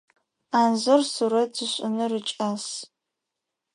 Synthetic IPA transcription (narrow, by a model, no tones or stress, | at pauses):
aːnzorsuɾɐtz̥ɨɕʷʼʊ̰nɨrɨt͡ʃʼaːs